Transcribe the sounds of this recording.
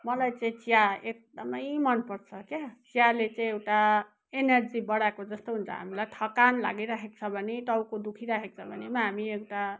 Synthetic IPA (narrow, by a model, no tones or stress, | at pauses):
mʌlajt͡saĩt͡sijaek̚d̪ʌmʌjmʌnpʌrt͡sʰʌkat͡sijalet͡saĩewʈa | enerd͡zibʌɽaekod͡zʌst̪oɦunt͡sʰʌ̰ɦa̰milajʈʰʌkanla̰ɡiɾaɦʰek̚t͡sʰʌbʱʌneʈ̪ʌwkod̪ukʰiɾaɦʰek̚t͡sʰʌbʱʌnemaɦamiewʈa